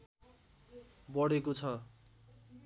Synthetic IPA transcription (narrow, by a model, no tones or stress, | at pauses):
bʌɽekot͡sʰʌ